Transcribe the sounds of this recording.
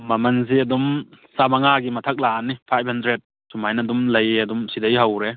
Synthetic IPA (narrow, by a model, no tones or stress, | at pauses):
mɐmɐnziɐdum | sabaŋaɡimɐtʰɐk̚lanːipʰajb̚handɾed̚ | sumajnɐdumlɐjɐdumsidɐjɦawɾe